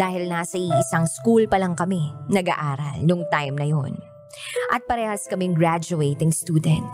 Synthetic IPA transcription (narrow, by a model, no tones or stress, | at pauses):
d̥̪aːhɪlnaːsɐʔiʔɪsɐŋskulpɐlɐŋkɐmɛnɐɡa̰ːʔaːɾɐlnʊŋt̪ajmnɐjon | ʔɐt̪̚pɐɾɛːhɐskɐmɛŋɡɹad͡ʒʊejt̪ɪŋst̪uːd̪ɛnt̪̚